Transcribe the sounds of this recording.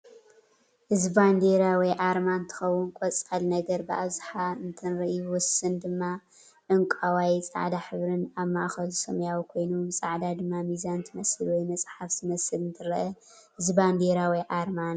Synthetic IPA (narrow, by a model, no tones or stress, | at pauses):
ʔɨzband̪eɾawɔjʔaɾmant̪ʰɨ̥xɐwʊnkʼɔt͡sʼɐlnɐɡɐɾbɨʔaβzɨħaɨnt̪ʰɨnɾɐʔjuwʊsːɨnd̪ɨmːa | ʕɨŋkʼawajt͡sʼa̰ʕd̪aħɨβɾɨnaβmaʔxɐlusɐmɐjawikʰo̞jnusʼaʕd̪ad̪ɨmːamizant̪ʰɨmɐsɨlwɔjmɐsʼħaftɨmɐsɨlɨnt̪ʰɨɾɐʔɐ | hɨzband̪eɾawiʔaɾman